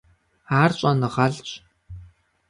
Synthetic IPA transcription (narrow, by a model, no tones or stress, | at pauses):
aːrɕʼɐnɨʁɐɮt͡ɕʼ